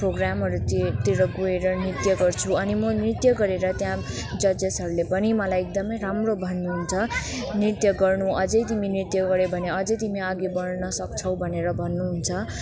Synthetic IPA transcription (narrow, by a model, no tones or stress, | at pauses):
proɡramɦʌɾut̪iɾʌɡueɾʌnirt̪jʌɡʌrt͡sʰuʌnimʌnirt̪jʌɡʌɾeɾʌt̪jã | d͡zʌd͡zʌsʌɾulepʌnimʌlajek̚d̪ʌmʌjɾamrobʱʌnːuɦunt͡sʰʌ | nirt̪jʌɡʌrnuʔʌd͡zʌjt̪iminirt̪jʌɡʌɾebʱʌneʌd͡zʌjt̪imiaɡibʌnnʌsʌkt͡sʰʌw̃bʱʌneɾʌbʱʌnːuɦunt͡sʰʌ